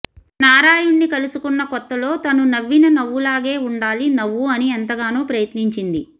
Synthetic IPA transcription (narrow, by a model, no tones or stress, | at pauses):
naːɾaːjuɳːikɐlusukunːɐkɔt̪ːɐlo̞ːt̪ɐnunɐʋːinɐnɐʋːulaːɡe̞ːuɳɖaːlinɐʋːuɐniɐnt̪ɐɡaːnuːpɾɐjɐt̪niɲt͡ʃind̪i